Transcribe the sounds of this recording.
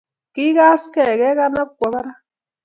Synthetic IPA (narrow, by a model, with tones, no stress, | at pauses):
ki˦ɣa˦ske˦˨ɣe˦ɣa˦na˦p̚kʷa˨βa˦ɾa˦